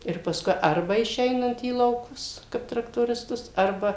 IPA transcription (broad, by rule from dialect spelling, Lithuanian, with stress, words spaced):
ɪr pɐsˈkʊɪ ˈɐrbɐ ɪʃʲˈɛɪnɐnt iː iː lˠɐʊˈkʊs kɐɪp trɐktoːrʲɪsˈtʊs ˈɐrbɐ